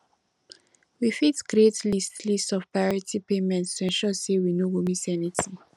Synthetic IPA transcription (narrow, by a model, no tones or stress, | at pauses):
wifitɡ̥ɾɹetlistlistɔfpɹajɔɹitʰipemɛ̃ntstʰuɛ̃nʃɔsewinowomisɛnitĩŋ